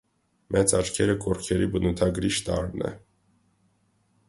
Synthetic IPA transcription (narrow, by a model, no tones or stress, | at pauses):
mʔɛt͡sɑt͡ʃkʰɛɾəkʰɔɾkʰɛɾibənut̪ʰɑɡɾiʃt̪ɑ̰ɾnɛ̰